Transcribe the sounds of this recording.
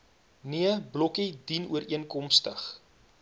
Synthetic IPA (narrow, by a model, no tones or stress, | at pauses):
niəblɔkidinuəɾiənkɔmstəχ